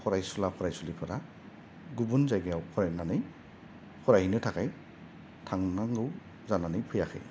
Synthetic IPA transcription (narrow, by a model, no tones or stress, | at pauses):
kʰɔɾajsulakʰɔɾajsulipʰaɾa | ɡubunzajɡjawkʰɔɾajnanɯj | kʰɔɾajhinɯtʰakaj | tʰaŋnaŋɡɯw | zananɯjpʰɯjaxʰɯ̰j